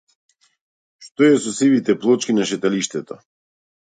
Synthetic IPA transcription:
ʃt̪oɛsɔsivit̪ɛplˠɔt͡ʃkinaʃɛt̪aliʃt̪ɛt̪o

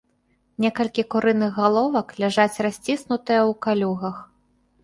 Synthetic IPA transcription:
nʲɛkɐlʲkʲikuɾɨnɨɣɣalˠɔvɐklʲaʐat͡sʲrasʲt͡sʲisnut̪ɨjɐwkalʲuɣɐx

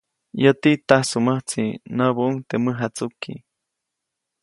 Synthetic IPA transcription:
jət̪it̪ahsuməht͡sinaβuʔuŋt̪eməɦat͡sukḭ

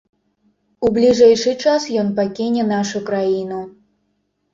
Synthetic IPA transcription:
ublʲiʐɛjʂɨt͡ʂasjɔnpakʲinʲɛnaʂukɾajinu

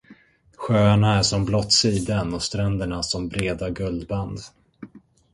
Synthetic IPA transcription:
ɧøːaɳaæʂɔmblɔt̪siːd̪anɔst̪ɾɛnd̪əɳaʂɔmbɾeːd̪aɡɵld̪band̪

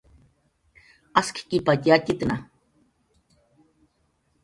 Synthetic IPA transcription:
askʰi̥kipat̪jacʲit̪na

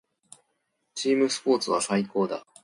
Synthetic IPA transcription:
t͡ɕiːmɯ̟sɨ̥po̞ːt͡sɨβasaiko̞ːd̪a

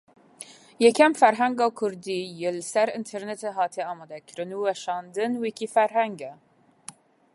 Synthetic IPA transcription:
jɛkʰɛmfæɾɦæŋɡɑːkʰʊɾd̪iːjelsæɾɨnt̪ʰɛɾnet̪ʰeɦɑːt̪ʰiɛɑːmɑːd̪ækʰɨɾɨnuːwɛʃɑːnd̪ɨnwikifæɾɦæŋɡɛ

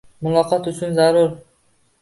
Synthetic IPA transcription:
mʊlˠɑqɑt̪yt͡ʃynzɑɾuɾ

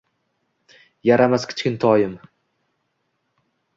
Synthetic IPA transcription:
jaɾamaskʲʰɪ̥t͡ʃkʲɪnt̪ʰɒjɪm

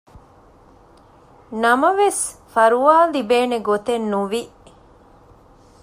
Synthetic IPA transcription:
nɐmɐʋesfɐɾuaːlibeːneɡot̪enːuʋi

